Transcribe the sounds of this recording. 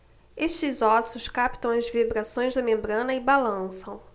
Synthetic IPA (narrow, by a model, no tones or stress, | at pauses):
eʃt͡ʃɪzɔsʊskapt̪ɐ̃w̃ɐzvibɾasõj̃zd̪ɐmẽmbɾɐ̃nɐɪbalɐ̃sɐ̃w̃